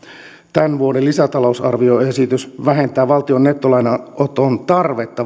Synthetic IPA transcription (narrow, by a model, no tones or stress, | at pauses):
t̪ænʋuodelisæt̪ɑlousɑ̰rʋio̞e̞sit̪ysʋæɦe̞nt̪æːʋɑlt̪io̞nːe̞t̪ːolɑjnɑʔot̪ont̪ɑrʋe̞t̪ːɑ